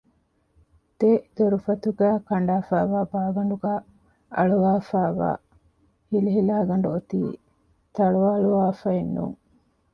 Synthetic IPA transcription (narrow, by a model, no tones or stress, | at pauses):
d̪̥ed̪oɾufɐt̪uɡæːkɐɳɖaːfæːʋaːbaːɡɐɳɖuɡæː | ɐ̰ɭuʋaːfæːʋa̰ː | hiliɦilaːɡɐɳ̆ɖuot̪ḭː | t̪ɐɭuʋaːɭuʋaːfɐenːṵŋ